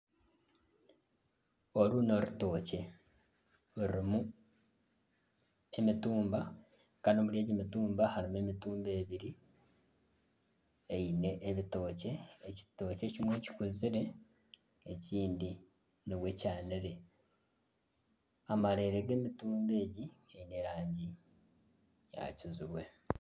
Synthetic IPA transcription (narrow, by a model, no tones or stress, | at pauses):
o̞ɾuno̞ɾuto̞ːce̞ | uɾimu | e̞mituːmba | kanoːmuljeːɟeːmituːmbahaɾime̞mituːmbe̞ːβiɾi | eine̞ʔeβito̞ːce̞ːci̥to̞ːce̞cimwe̞ːci̥kuziɾe̞ː | ciːndi | niβwe̞caːniɾe̞ | amaɾe̞ːɾeɡe̞ːmituːmbe̞ːɟieine̞ɾaːɲɟi | ja̰ciziβwe̞